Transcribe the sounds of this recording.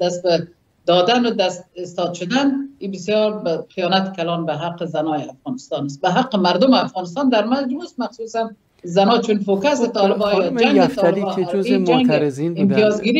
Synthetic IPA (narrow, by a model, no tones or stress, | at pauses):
d̪ast̪̚ba | d̪ɒd̪anʊd̪ast̪̚ɪst̪ɒd̪ʃʊd̪anibɪsjɒɾbqijɒnat̪kalɑnbaɦaqːəzanɒjɪafɣɔnɪst̪ɑnas̚baɦaqːəmaɾd̪ʊmɪafɣɑnɪs̬t̪ɑnd̪aɾmad͡ʒmust̪maxsusan | zanɒt͡ʃunfokasɪt̪ʰɔlɪbɔjɔd͡ʒaŋɪt̪bid͡ʒaŋɡɪmt̪ijɒzɡiɾi